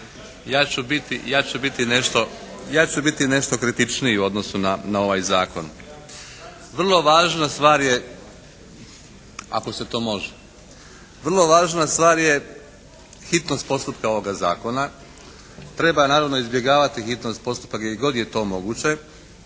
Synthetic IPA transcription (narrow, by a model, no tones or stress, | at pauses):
jaːt͡ɕubit̪ijaːt͡ɕubit̪ineʃt̪o̞jaːt͡ɕubit̪ine̞ʃt̪o̞kɾit̪it͡ʃnijeuo̞d̪no̞sunanao̞ʋaːjzaːko̞n | ʋr̩lˠo̞ʋaːʒnast̪ʋaːɾje̞ | a̰ko̞se̞t̪o̞ːmo̞ʒe | ʋr̩lˠo̞ʋaːʒnast̪ʋaːɾje | xit̪no̞st̪po̞st̪upkao̞ʋo̞ɡaza̰ːko̞na | t̪ɾe̞banaːɾaʋno̞izbje̞ɡaːʋat̪ixit̪no̞st̪̚po̞st̪u̥pakjeiɡo̞d̪je̞t̪o̞ːmo̞ɡut͡ɕe̞